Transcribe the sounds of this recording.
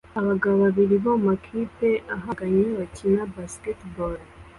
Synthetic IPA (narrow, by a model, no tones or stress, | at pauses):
aβaɡaβaβaβiɾiβoumakʰipe̞ʔaɦaɡaɲeβacʰinabasketbol